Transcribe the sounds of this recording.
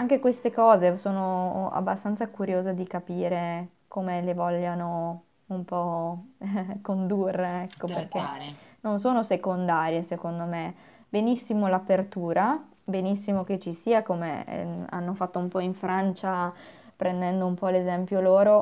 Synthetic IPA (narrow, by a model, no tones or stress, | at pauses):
aŋkekwest̪ekɔːzesoːnoa̰bːast̪ant̪sakuɾjoːzed̪ikapiːɾe | koːmelevɔʎːano | umpɔ | kond̪urːeɛkːoperkenons̬oːnosekond̪aːɾjesekond̪ome | benisːimolapert̪uːɾa | benisːimoket͡ʃisiːakomḛa̰nːofat̪ːoumpɔiɱfɾant͡ʃa | pɾend̪ɛnd̪oumpɔlezɛmpjoloːɾo